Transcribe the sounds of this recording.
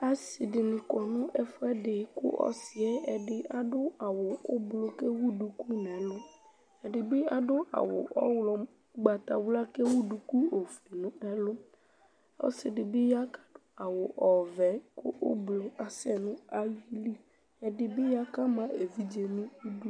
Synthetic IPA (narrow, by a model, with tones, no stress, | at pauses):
a˨sɪ˨dɪ˨nɪ̃˨kɔ˨nʊ̃˦ʔɛ˦fɛ˦ɖɪ˨˦kʊ̰˦ʔɔ̰˦sɪ˨ɛ˦ɛ˨ɖɪ˦a˨ɖʊ˦a˨wʊ˨ʊ˦blo˦ke˦wu˦du˨ku˦nɛ̃˨˦lʊ˦ | ɛ˨ɖɪ˨bɪ˦a˨ɖʊ˦ʔa̰˨wʊ̰˨ʔɔ˦wlɔ˨ | ɡ͡ba˨t̪a̰˨wla˦ke˦wu˦du˨ku˦o˨fli˨nũ˦ɛ˦lʊ˦ | ɔ̰˦sɪ˨ɖɪ˨bɪ˦ja˦ka˦ɖ̥ʊ˦a˨wʊ˨ʔɔ˨vɛ˨˦kʊ̰˦ʔʊ̰˦blo˨a˨sɛ˦nʊ̃˦a˦ji˦li˦ | ɛ˨dɪ˨bɪ˦ja˦ka˦mã˦ʔe˨vi˦d͡ʒe˨nĩ˦wu˦du˦